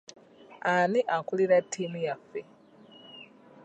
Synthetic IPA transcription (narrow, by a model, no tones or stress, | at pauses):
aniʔakuliɾetʰːimujafe